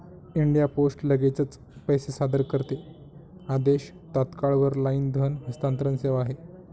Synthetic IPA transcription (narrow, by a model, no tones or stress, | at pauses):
iɳɖijaposʈləɡet͡sət͡s | pəjsesad̪əɾkəɾt̪e | ad̪eɕ | t̪at̪kaɭʋəɾlaind̪ʱənɦəst̪ant̪ɾənseʋaːɦe